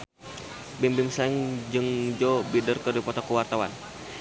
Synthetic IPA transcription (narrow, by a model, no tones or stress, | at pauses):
bimbimslɛŋd͡ʒɨŋd͡ʒɔbidərkərdipɔt̪ɔkuwart̪awan